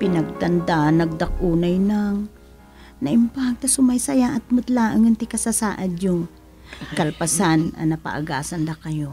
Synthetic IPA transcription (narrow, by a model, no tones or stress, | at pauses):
pɪnɐɡ̚t̪ɐnd̪aʔnɐɡ̚d̪ɐk̚ʔuːnɐjnɐŋ | nɐʔɪmpaɡ̚t̪ɐsʊmɐjsɐjaʔɐt̪̚mʊt̪laːʔɐŋɪnt̪ɪkɐsasa̰ːʔɐd̪jʊŋ | kɐlpɐsanɐ̰nɐpɐ̰ʔɐ̰ɡa̰ːsɐnlɐkɐjo